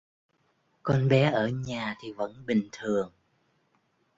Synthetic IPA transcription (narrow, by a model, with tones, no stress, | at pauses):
kɔ˧nɓɛ˨˦ʔəː˧˩ɲaː˨˩t̪ʰi˨˩və̰˧˥nɓï˨˩ŋ̟t̪ʰɨ˨˩əŋ